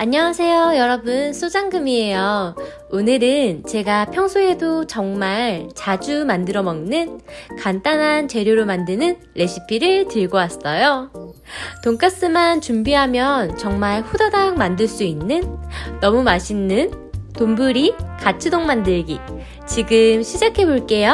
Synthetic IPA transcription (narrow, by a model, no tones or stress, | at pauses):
aɲːawasʰe̞jojʌɾʌbɯnsʰod͡ʑaŋɡɯmie̞jʌ | onɯɾɯnt͡ɕe̞ɡapʰjʌŋsʰoe̞dot͡ɕʌŋmaɭt͡ɕad͡ʑumandɯɾʌmʌŋnɯnkant͈anɦant͡ɕe̞ɾjoɾomandɯnɯnːe̞ɕʰipʰiɾɯɭtɯɭɡowas͈ʌjo | toŋk͈as͈ɯmant͡ɕumbiɦamjʌnt͡ɕʌŋmaɭɸudadaŋmandɯɭs͈uinːɯnːʌmumaɕʰinːɯn | tombuɾikat͡ɕʰɯdoŋmandɯɭɡi | t͡ɕiɡɯmɕʰid͡ʑakʰe̞boɭk͈e̞jo